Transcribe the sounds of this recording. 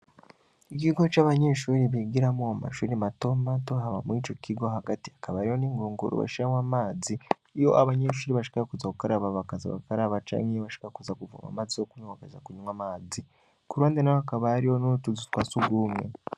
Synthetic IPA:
ik̬iɡo̞t͡ʃaβaɲeʃuːɾiβiɡiɾamuama̰ʃuːɾimato̞mato̞ɦaβa̰muit͡ʃo̞kʰiɡo̞haɡatiakaβaɾihoniːŋɡuːŋɡṵɾṵβa̰ʃiɾamwamaːziː | jo̞ʔaβaɲe̞ʃ̬uːɾiβaʃi̥kakuzakukaɾaβaβakaza̰βa̰kaɾaβat͡ʃa̰ŋijoβaʃi̥kakuzakuvṵma̰maːzijokuɲawakaza̰kuɲumwamaːzi | kuɾwaːndenajoakaβaːɾiho̞nutuzitwaːt͡suɡumŋe̞

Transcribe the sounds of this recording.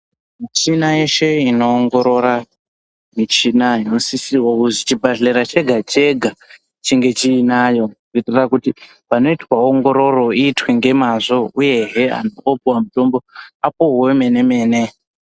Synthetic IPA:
mit͡ʃinajeʃe̞ino̞ːŋɡo̞ɾo̞ɾa | mit͡ʃinainosisirwokuzit͡ʃibʱaɮeɾat͡ʃe̞ɡʱat͡ʃe̞ɡʱa | t͡ʃiŋɡe̞t͡ʃiːnaːjo̞ukitirakuti | pano̞itwaoŋɡo̞ɾo̞ro̞iːtweŋɡe̞mazo̞uje̞ɦea̰noopuwamuto̞mbo̞apoɦweme̞ne̞me̞ːne̞

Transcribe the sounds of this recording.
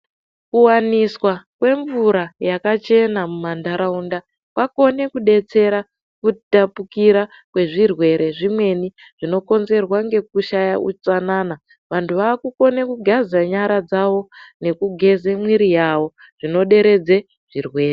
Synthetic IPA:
kuwaniswakwe̞ɱvuɾajakat͡ʃe̞namumandaɾaunda | kwako̞ne̞kuɗe̞t͡se̞ɾa | kutapukiɾa | kwe̞ʐirwe̞ɾʔe̞ʐimwe̞ni | ʐ̥ino̞ko̞nze̞rwaŋɡe̞k̚uʃajaʔut͡sanana | ʋantʰuʋaːkuko̞ne̞kuɡʱazaɲaɾad͡zaʋo̞ne̞kuɡʱe̞zemwiɾijawo̞ | ʐ̥ino̞ɗe̞ɾe̞d͡ze̞ | ʐ̥irwe̞ːre

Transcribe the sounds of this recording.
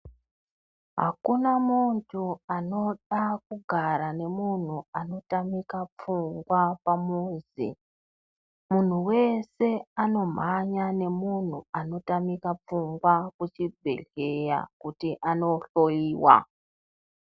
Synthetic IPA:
ɦa̰kunamuntʰuano̞ɗakuɡʱaɾane̞mun̤uano̞tamikap͡fuŋɡwapamuːzḭ | mun̤uwe̞se̞ano̞m̤aɲane̞mun̤uano̞tamikap͡fuŋɡwakut͡ʃibʱe̞̰ɮeja̰kutiʔano̞ɬo̞iːwa̰

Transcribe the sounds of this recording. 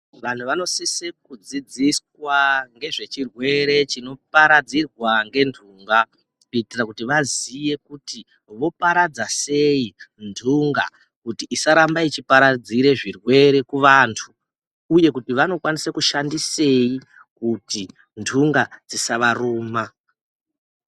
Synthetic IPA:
ʋan̤uʋano̞sisekud͡zid͡ziswaŋɡe̞ʐe̞t͡ʃirwe̞ɾe̞t͡ʃino̞paɾad͡zirwaŋɡe̞ndʰʱuːŋɡa | eitirakutiʋazije̞kuti | ʋo̞paɾad͡zase̞jindʱuŋɡa̰ | kutiʔːsaɾambait͡ʃipaɾad͡ziɾe̞ʐirwe̞ɾe̞kuʋantʰuː | je̞kutiʋano̞kwanisakuʃandise̞i | kuti | ndʰʱuŋɡad͡zisaʋaruːma

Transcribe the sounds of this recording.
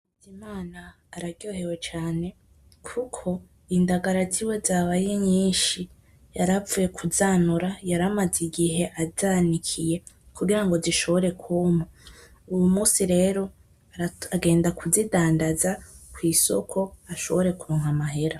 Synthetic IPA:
dimaːnaː | ɾaɡjo̞ːhe̞we̞t͡ʃaːne̞ | kʰukʰo̞ | indaɡaɾaziwe̞zaβajeɲiːnʃi | jaɾavuje̞kʰuzaːnuɾajaɾamaziɡiɦe̞ʔazanikʰije̞ | kuɡiɾaŋɡo̞ziʃo̞βo̞ɾe̞kʰuːmo | ujumuːsiɾe̞ːɾo̞ | aɡe̞ːndakuzidaːndazakwiːso̞̰kʰo̞aʃo̞̰βo̞ɾe̞kuɾoːŋ̥amaɦe̞ɾa

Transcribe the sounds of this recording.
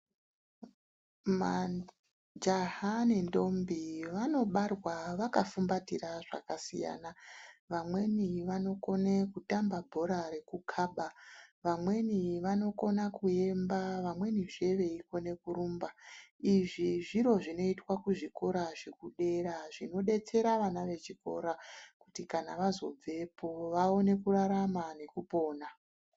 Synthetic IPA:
ma | d͡ʒaɦanendo̞mbiʋano̞ɓarwaʋakafumbatiraʐa̰kasḭja̰ːnaʋamwe̞niʋano̞ko̞nekutambabʱo̞ɾaɾe̞kukʰaːɓaʋamwe̞niʋano̞ko̞nakue̞mbaʋamwe̞niʐe̞ʋe̞iko̞ne̞kuɾumbaiʐiʐiɾo̞ʐino̞itwakuʐiko̞ɾaʐe̞kuɗe̞ɾaʐino̞ɗe̞t͡se̞ɾaʋanaʋe̞t͡ʃiko̞̰ɾakutikana̰ʋazo̞b͡ve̞pʰo̞ʋao̞ne̞kuraɾamane̞kupo̞ːna

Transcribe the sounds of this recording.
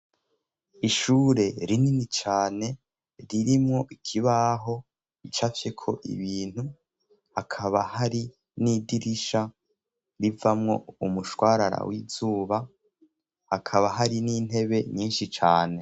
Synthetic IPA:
iʃuːɾe̞ɾininit͡ʃaːne̞ | ɾiɾimŋo̞ʔikʰiβaɦo̞ | it͡ʃafjekʰo̞̰ʔḭβiːn̥u | hakʰaβahaɾi | nidiɾiʃa | ɾivamŋo̞̰umuʃwaːɾaɾa̰wizuːβa | hakʰaβaɦaɾiniːn̥he̞βe̞ɲiːnʃit͡ʃaːne̞

